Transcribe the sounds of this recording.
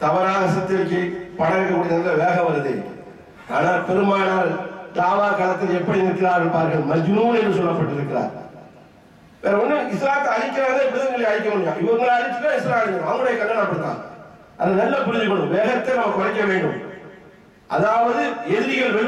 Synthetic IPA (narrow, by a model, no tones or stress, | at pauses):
t̪ɐʋɐɾaːɣɐsɐt̪ːɪɾkɯpɐɳɐɾkɐmʊɽɪðɐnɐʋeːɣɐʋɐɾɐðɐ̰ | a̰ːnaːlpɛɾɯmaːnaːld̪aːʋaːkɐlɐt̪ːɪlɛpːɐɽinɾɯkːɪɾaːʋɛɳpaːɾɣɐɭmɐd͡ʒɯnuːnɛndːɯsɔlːɐpːɐʈːɪɾɯkːɪɾa̰ːɾ | ʋeːɾɐɔnːɯɐɪsɾaːt̪ːɐɐɻɪkːɐɾaːðepːɾɪðɐŋɡɐɭɐjɐɻɪk̬ːɐmʊːɽɪjaːʔɪʋɐɾɯŋɡɐɭɐɽɪt͡ʃːɯʈːaːɪsɾaːɪŋɐnɐʋɐŋɡɐɽɐjɐkɐnɡɐnɐpɐɽɯt̪ːa̰ːŋ | ʔɐnd̪ɐnɐlːɐpʊɾɯðɯkːɔɳːɯʋeːɣɐt̪ːɐɪnɐmɐkɔɾɐkːɐʋeːɳɖɯm | ʔɐ̰ðaːʋɐðɯɛðɪɾɪɣɐɭʋɛ